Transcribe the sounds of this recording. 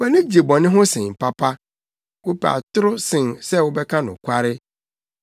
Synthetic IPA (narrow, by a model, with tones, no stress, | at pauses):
bɛ˦nɪ̃˦d͡ʑe˨bɔ̃˨nɪ̃˦ɦʊ̃˦sɪ̃˨m̩˨pʰa˦pʰa˦ | wo˦pa̰˨tʊ˦ɾʊ˦sɪ̃˨nsɛ˦wʊ˦bɛ˦kʰã˦nʊ̃˨kʷʰa˦ɾɪ˦